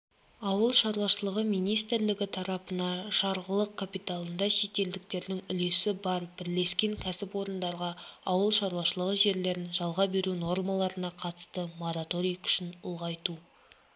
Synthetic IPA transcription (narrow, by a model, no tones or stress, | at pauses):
ɑwəlˠʃɑɾuwɑʃəlˠəʁəmijnijst̪ɾlɪɡʲɪt̪ʰɑɾɑpənɑʒɑɾʁəlˠəq̚kʰapijt̪alˠənd̪ɑʃe̞t̪e̞ld̪ɪk̚t̪e̞ɾd̪ɪŋʏle̞sɪbɑɾbɪɾle̞skʲe̞ŋkʲʰæsɪpwo̞ɾənd̪ɑɾʁɑɑwəlˠʃɑɾuɑʃəlˠəʁəʒe̞ɾle̞ɾɪnʒɑlˠʁɑbe̞ɾuno̞rmalˠɑɾənɑqʰɑt̪ə̥st̪əmo̞ɾat̪o̞ɾijkʲʰʏ̥ʃɪnʊlˠʁɑjt̪u